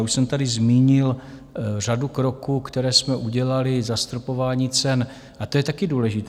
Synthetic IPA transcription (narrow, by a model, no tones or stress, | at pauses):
uʃsɛmt̪adɪzmiːɲɪl | r̝adukɾo̞kuːkt̪ɛɾɛːsmɛʔuɟɛlalɪzast̪ɾopo̞vaːɲiːt͡sɛn | ʔat̪o̞jɛt̪akɪduːlɛʒɪt̪ː